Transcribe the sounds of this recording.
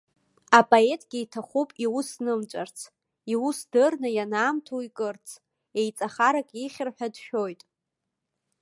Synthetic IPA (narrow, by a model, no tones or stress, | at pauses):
apʼoe̞tʼɡʲiitʰaχʷupʼiwʊsnɨmt͡ʃʷʼart͡sʰ | iwusdɨrnɨjanaːmtʰoikʼɨrt͡sʰ | ejt͡sʼaχaɾakʼiχʲɪrħᶣadʃᶣo̞jtʼ